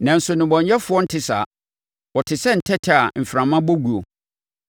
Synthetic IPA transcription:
nã˨n̩˨sʊ˨nɪ̃˨bɔ̃˨ɲ˦ɛ˦fʊ˦ɔ˦n̩˦tʰɪ˨sa̰ː˨ | wɔ˨tʰɪ˨sɛ˦n̩˨tʰɛ˦tʰɪ˦a˨m̩˨fɾã˨mã˦bo˦ɡu˨o̰˨

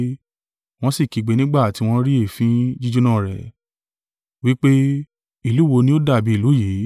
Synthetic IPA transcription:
w̃ɔ̃˦si˦˨ki˨˦ɡ͡be˨˦nĩ˦ɡ͡ba˦˨ti˧w̃ɔ̃˦ɾi˦e˦˨fĩ˦d͡ʒi˦d͡ʒu˦nã˦˨ɾɛ̰˨ | wi˨˦k͡pe˦ | i˨lu˦wo˧nĩ˦o˦da˦˨bi˨˦i˦˨lu˨˦je˨˦

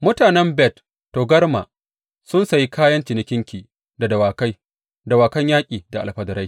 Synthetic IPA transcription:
mʊ˦taː˨nɛ˦mbɛ˦˨t | toː˨ɡɐ˦rma̰ː˨ | sʊ˦nsa˨ji˦kʰaː˦jɐ˦nt͡ʃɪ˨nɪ˦kʲɪ˦ŋkʲiː˨ | da˨dɐ˨waː˨ka˦j | da˨waː˨kɐ˦ɲjaː˦kʲʼiː˨da˨ʔa̰˨lɸɐ˨dɐ˨ɾa˦

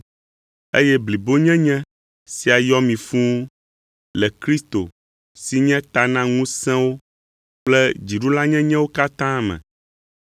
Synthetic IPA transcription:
ḛ˦jɛ˦bli˨bo˦ɲɛ̃˦ɲɛ̃˦ | si˨a˨jɔ˦mĩ˨fũ˦ | lɛ˨kɾi˦st̪o˨ | si˦ɲɛ̃˦t̪a˨nã˦ŋũ˦sɛ̃˦wo˦ | k͡plɛ˦d͡ʑi˨ɖu˦la˦ɲɛ̃˦ɲɛ̃˦wo˦ka˦t̪ã˦mɛ̰̃˨

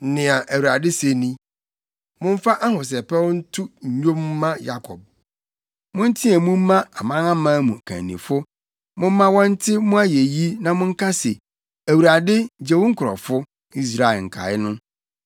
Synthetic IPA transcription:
nɪ̃˨a˨ʔæ˨wu˨ɾa˨dɪ˦se˨nĩ˦ | mʊ̃˦m̩˦fa˦ʔa˦hʊ̃˨s̬ɛ˨pɛ˦wn̩˦tʰʊ˦ɲ̩˨ɲᶣõ˦m˦mã˦ja˦kʰɔ̰˨b̚ | mʊ̃˦n̩˦tʰĩ˦ɛ˨mũ˦m̩˦mã˦a˨mã˦nã˦mãː˦mũ˨kʰã̰˨nːḭ̃˨fʊ˦ | mʊ̃˦m̩˦mã˦wɔ̃˦n̩˦tʰɪ˦mʊ̃˦a˦je˨ji˦nã˨mʊ̃˦ŋ̩˦kʰa˦sɛ˨ | æ˨wu˨ɾa˨dɪ˦˨d͡ʑɛ˦wʊ̃˦ŋ̩˦kʰʊ˨ɾɔ̰˨fʊ˦ | i˦s̬ɾa˨ɛ˨ŋ̩˨kʰa̰˨ɪ˦nʊ̃˦

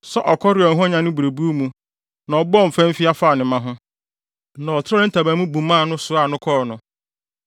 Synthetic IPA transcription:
sɔ˦ʔɔ˨kʰɔ˦ɾɪ˨ɔ˨n˦ɦʊ̃˦ɲã˨nʊ̃˦bu˨ɾe˨bu˦o˦mũ˨ | nã˨ɔ˨bɔ˦˨m̩˨fɛ̃˦m̩˦fi˦a˦faː˦˨nɪ̃˨mã˦ɦʊ̃˦ | nã˨ɔ˨tʰɾɔ˦ɾɪ̃˦n̩˦tʰa˨bã˨˦mũ˦bũ˨mã˦˨nʊ̃˦sʊ˨a˨nʊ̃˦kʰɔ˦ɾnʊ̃˨

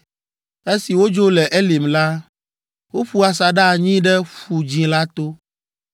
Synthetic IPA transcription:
e˦si˨wo˦d͡ʒo˦lɛ˨ʔe˦li˨mla˦ | wo˦ɸu˦a˨sa˨ɖa˦˨ɲĩ˦ɖɛ˦ɸu˨d͡ʒĩ˨la˦t̪o˦

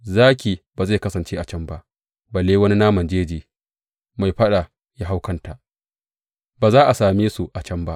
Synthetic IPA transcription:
zaː˦kʲiː˨baː˨za˦˨kɐ˦sɐ˨nt͡ʃeː˦ʔa˨t͡ʃɐ˦mba˦ʔ | bɐ˨leː˦wɐ˦ni˦naː˦mɐ˨nd͡ʒeː˦d͡ʒiː˨ | ma˨jɸɐ˦ɗa˨ | ja˦ɦa˦wkɐ˦nta˨ʔ | baː˨zaː˦ʔa˨saː˨meː˦su˨ʔa˨t͡ʃɐ˦mba˦ʔ

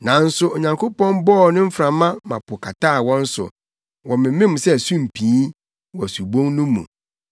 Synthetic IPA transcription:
nã˨n̩˦sʊ˦o˨ɲã˨ŋkʰo˦pɔ̃˦nbɔː˦˨nʊ̃˦m̩˦fɾã˨mã˦mã̰˨pʰʊ˨kʰa˨tʰaː˦˨wɔ̃˦n̩˦sʊ̰˨ | wɔ̃˨mɪ̃˨˦ɪ̃˦m̩˨sɛ˦˨su˦m̩˨pʰĩː˨˦ | wɔ˨æ˨su˨bõ˦ŋnʊ̃˦mːṵ̃˨

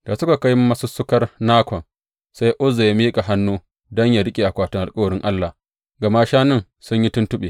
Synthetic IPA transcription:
d̥a˨sʊ˦ka˨ka˦jm˦mɐ˦sʊ˦sːʊ˦kɐ˦rnaː˦kʷɔ˨n | sa˦jʔʊ˦za˨ja˦miː˦kʼa˨ɦa˦nːuː˦ | dɔ˦ɲja˨ɽɪ˦kʲʼe˨ʔa˨kʷaː˦˨tʊ˦ŋʔa˨lkʼɐ˦wɐ˨ɽɪ˦ŋʔa˦lːa˨ | ɡɐ˨ma˦ʃaː˦nɪ˦ŋ | sʊ˦ɲji˦tʊ˦ntʊ˦ɓeː˨

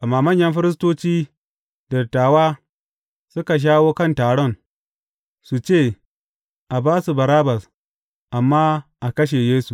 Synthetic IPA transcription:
ʔa˨maː˨mɐ˦ɲjɐ˦mɸɪ˦ɾɪ˦s̬toː˦t͡ʃiː˦ | dɐ˨tːaː˨waː˦ | sʊ˦ka˨ʃ̬aː˦woː˦kɐ˦ntaː˨ɽɔ˦˨n | su˨t͡ʃeː˦˨ | ʔa˨baː˦su˨bɐ˨ɾaː˦bɐ˨s | ʔa˨mːaː˦ʔa˨kɐ˦ʃ̬e˨jeː˦su˨

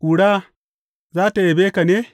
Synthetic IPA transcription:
ʔu˨ɽaː˦ | zaː˦ta˨je˨beː˦ka˨neː˦

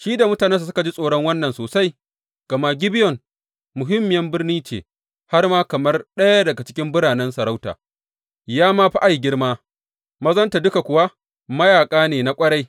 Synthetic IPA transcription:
ʃiː˦da˨mʊ˦taː˨nɛ˦ns̬a˨s̬ʊ˦ka˨d͡ʒi˦sʼoː˨ɽɔ˦ŋwɐ˦nːɐ˨nsoː˨sa˦j | ɡ̥ɐ˨ma˦ɡʲɪ˦bɪ˦jɔ˨n | mʊ˨ɦɪ˦mːɪ˨jɐ˦mbɪ˦rniː˦t͡ʃḛː˨ | ha˦rmaː˦kɐ˨mɐ˦rɗɐ˦ja˦dɐ˨ɡa˨t͡ʃɪ̥˦kʲɪ˦mbʊ˦ɽaː˨nɛ˦nsɐ˨ɽa˦wta̰ː˨ | jaː˦maː˦ɸa˦ʔa˨jɡʲɪ˦rmaː˦ | mɐ˦zɐ˦nta˨dʊ˦ka˨kʷʊ˨wa˦ | mɐ˦jaː˨kʼaː˦neː˨na˨kʷʼɐ˦ɽa˦j

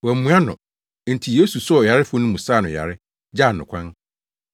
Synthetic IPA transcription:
wæ˨mũ˦ã˦nʊ̰̃˨˦ | n̩˨tʰi˨je˦su˨sʊ˦ɔ˨ja˨ɾɪ˦fʊ˦nʊ̃˦mũ˨saː˦˨nʊ̃˨ja̰˨ɾɪ˦ | d͡ʑa˦˨n˨ʊ̰̃˨kʰʷã˦n

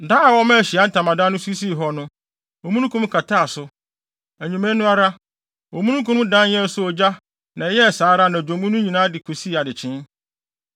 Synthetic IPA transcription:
da˦a˨wɔ˦mã˦˨ɕi˨a˦n̩˦tʰã˨mã˨dã˦nʊ̃˦su˦s̬i˦˨ɦɔ˦nʊ̃˦ | o˨mũ˦nũ˦kʰũ˦m˦kʰa˨tʰa˦a˨sʊ˨˦ | æ˨ɲĩ˨mɛ̃˦nʊ̃˦a˦ɾa˦ | o˨mũ˦nũ˦kʰũ˦m˦dã˦njɛ̃˦sʊ˦ɔ˨d͡ʑa˦ | nã˨˦jɛ˦˨saː˨˦ɾa˦nã˨d͡ʑᶣõ˨mũ˦nũ˦ɲĩ˨nãː˦dɪ˨kʰu˨si˦˨a˨dɪ˨t͡ɕʰɪ̃˦n

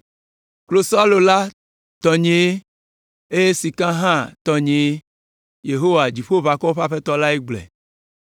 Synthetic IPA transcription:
klo˨sa˦lo˨la˦ | t̪ɔ˨ɲẽ˨e˦ | e˦je˦si˨kã˦ɦã˦˨t̪ɔ˨ɲẽ˨e˦ | je˨ɦo˦wa˨d͡ʑi˨ɸo˦βa˨kɔ˦ɸa˦ɸe˦t̪ɔ˦la˦e˦ɡ͡blɛ̰˨

